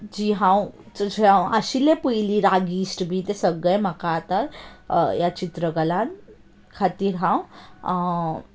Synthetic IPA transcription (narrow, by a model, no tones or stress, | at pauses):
d͡ʑiɦãw | t͡sd͡ʑɦãwəɕilepujliɾaɡiːsʈbʱit̪esəɡɭəjm̤əkat̪əɾjat͡ɕit̪ɾəɡəlãn | kʰat̪iːɾɦãw